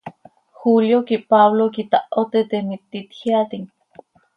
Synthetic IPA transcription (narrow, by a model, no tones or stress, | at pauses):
xuljokipaβlokit̪aʔot̪et̪emit̪ːit̪hiat̪iŋ